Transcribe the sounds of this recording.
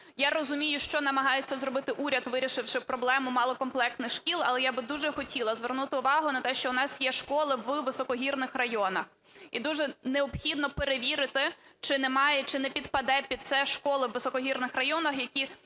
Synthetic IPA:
jaɾɔzʊmʲijʊʃt͡ʃɔnɐmɐɦɑjet͡sʲːɐzɾɔbɪt̪ɪʔuɾʲɐd̪ʋɪɾʲiʃɪwʃɪpɾɔblˠɛmʊmɑlˠɔkɔmplˠɛk̚t̪nɪxʃkʲilˠɐ̰lˠɛjabɪd̪uʒɛxɔtʲilˠɐzʋernut̪ɪʊʋɑɦʊnɐt̪ɛʃt͡ʃɔʊnɑsʲjɛʃkɔlˠɪʋʋɪsɔkɔɦʲirnɪxrɐjɔnɐx | id̪uʒɛneɔpxʲid̪̚nɔpeɾeʋʲiɾɪt̪ɪt͡ʃɪnɛmɑjɛt͡ʃɪnɛpʲid̪pɐd̪ɛpʲid̪̚t̪sɛʃkɔlˠɪwʋɪsɔkɔɦʲirnɪxrɐjɔnɐxjɐkʲi

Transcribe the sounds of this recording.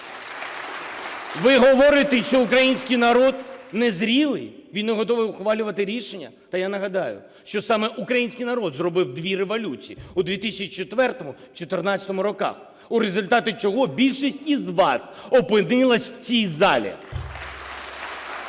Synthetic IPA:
ʋɪɦɔʋɔɾɪt̪ɪʃt͡ʃɔʊkɾɐjinʲsʲkijnɐɾɔd̪nɛzɾʲilˠɪ̰jʋʲinneɦɔt̪ɔʋɪʊxʋɑlʲʊʋɐt̪ɪɾʲiʃenʲːɐ̰ | t̪ɐjanɐɦɐd̪ɑjʊ̰ | ʃt͡ʃɔsɑmɛʔukɾɐjinʲsʲkijnɐɾɔd̪zrɔbɪwd̪ʋʲiɾeʋɔlʲut͡sʲiiud̪ʋʲit̪ɪsʲɐt͡ʃit͡ʃet̪ʋɛrt̪ɔmʊ | t͡ʃɔt̪ernɑt͡sʲɐt̪ɔmʊɾɔkɑ̰x | uɾezʊlʲt̪ɑt̪ʊt͡ʃɔɦɔbʲilʲʃisʲtʲizʋɑsɔpɪnɪlˠɐsʲw̥t͡sʲijzɑ̰lʲḭ

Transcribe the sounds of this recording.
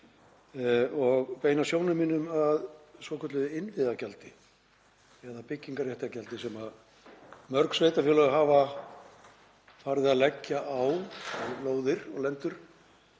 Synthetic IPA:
ɔɣpeːjnasjoːwnɪminʏmaðsvɔːkʰœt̪lʏðɪɪnvɪðacalt̪ɪ | ɛðapɪcːiŋkaɾrjɛht̪acalt̪ɪsɛma | mœɾksveːjt̪afɪlœɣɦaːva | faːɾðɪaðlɛcːaʔawloːwðɪɾɔɣlɛnt̪ʏɾ̥

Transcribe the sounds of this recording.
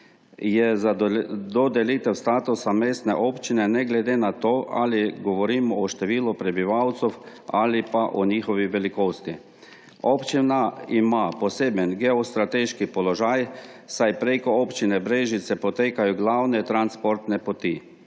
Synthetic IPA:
jɛzd̪ɔd̪ɛlit̪ɛwst̪aːt̪usameːst̪nɛʔoːpt͡ʃinɛnɛɡlɛd̪eːnat̪oːʔa̰liɡɔʋɔɾiːmɔɔʃt̪ɛʋiːlupɾɛbiʋawt̪sɔw | alipaʔɔɲiːxɔʋiʋɛlikoːst̪i | opt͡ʃinaimapɔseːbənɡɛɔst̪ɾat̪eʃkipɔlɔʒajsajpɾekɔɔpt͡ʃinɛbɾeːʒit̪sɛpɔt̪eːkajɔɡlawnɛt̪ɾanspɔɾt̪nɛpɔt̪i

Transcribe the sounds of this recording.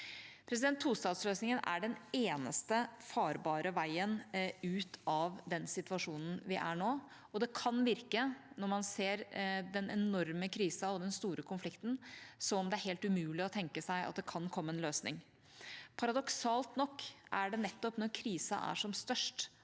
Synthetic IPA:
pʰɾɛs̬ɪd̪ɛnt̪ʰːuːst̪ɑːd̪sløːsnɪŋənʔæ̰ɖɛneːnə̰st̪əfɑːɾbɑːɾəʋæɪənʉːt̪ʰɑʋd̪ɛnsɪt̪ʋɑʂuːnən̩ʋɪʔæɳoː | ɔd̪ɛkʰɑnʋɪɾkənɔɾmɑnseːɾd̪ɛnʔɛnɔɾməkʰɾiːsɑɔd̪ɛnst̪uːɾəkʰʊnflɪkt̪n̩sɔmɔmd̪ɛæɾhɛːlt̪ʉmʉːlɪɔt̪ʰɛŋkəsæɪɑ̰t̪̚d̪ɛkʰɑnkʰɔmːəɛnløːsnɪ̰ŋ | pʰɑɾɑd̪ɔksɑːlt̪nɔkːʔæɖɛnɛt̪ːɔpnɔɾkʰɾiːsɑ̰ʔæ̰ʂɔmst̪œʂʈ

